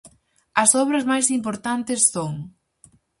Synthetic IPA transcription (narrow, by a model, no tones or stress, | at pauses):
ɐsɔβ̞ɾɐzmajsimpoɾt̪ant̪esːoŋ